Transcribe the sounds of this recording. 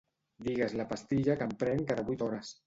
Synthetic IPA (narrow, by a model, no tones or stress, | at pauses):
d̪iɣazlapast̪iʎakampɾɛŋkaðaβujt̪ɔɾas